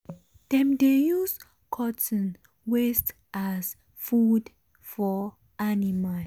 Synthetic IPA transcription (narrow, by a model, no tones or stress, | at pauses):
d̥ɛ̃mdejus | kʰɔtə̃n | west | ʔas | fud | fɔ | animal